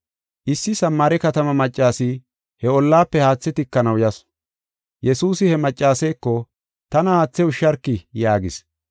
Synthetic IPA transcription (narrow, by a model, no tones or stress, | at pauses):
ʔɪsːɪsɐmːaːɾɛkɐt̪ɐmɐmɐt͡ʃʼːaːsi | hɛɔlːaːpːɛhaːt͡sːɛt̪ɪkːɐnɐwjɐs | jɛsuːsɪhɛmɐt͡ʃʼːaːsɛjkːɔ | t̪ɐnɐhaːt͡sːɛʊʃːɐɾkːɪjaːɡɪs